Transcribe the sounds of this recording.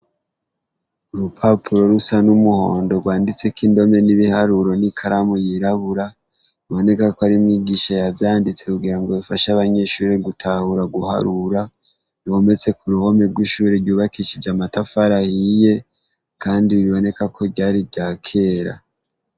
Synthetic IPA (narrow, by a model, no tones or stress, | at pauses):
uɾupʰapʰuɾo̞ɾusanumuho̞̰ːndo̞ɡwaːndit͡se̞kindo̞me̞niβihaɾuɾo̞nikʰaɾamujiɾaβuɾa | iβo̞ne̞kakoaɾimiɡiʃajavjaːndit͡se̞kuɡiɾaŋɡo̞βifaʃaβaɲe̞ʃuːɾeɡutʰahuɾaɡuha̰ɾuɾa | nio̞me̞t͡se̞kʰuɾuho̞me̞ɾɡwiʃuːɾeɾɟuːβakiʃid͡ʒamatafaɾahije̞ | kaːndiβiβo̞ne̞kakʰo̞ɟaːɾiɟaːkʰe̞ɾa̰